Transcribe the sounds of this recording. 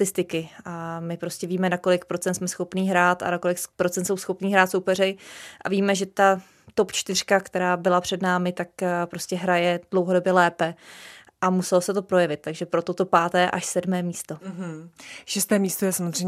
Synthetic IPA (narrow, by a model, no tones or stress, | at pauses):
t̪ɪst̪ɪkɪʔamɪpɾo̞scɛviːmɛnako̞lɪkpɾott͡sɛnt̪smɛsxo̞pniːɦɾaːt̪a̰nakolɪkpɾott͡sɛnt̪sowsxo̞pniːɦɾaːt̪so̞wpɛrɛʔa̰viːmɛʒɛt̪a | t̪o̞pt͡ʃt̪ɪr̝̥kakt̪ɛɾaːbɪlapr̝̥ɛdnaːmɪt̪akpɾo̞scɛɦɾajɛd̥lowɦodo̞bjɛlɛːpɛ | ʔamusɛlosɛt̪o̞pɾo̞jɛvɪt̪̚t̪ːaɡʒɛpɾo̞t̪ot̪o̞paːt̪ɛːʔaʃsɛdmɛːmiːst̪o̞ɦ̩ʃɛst̪ɛːmist̪ojɛsamozrɛj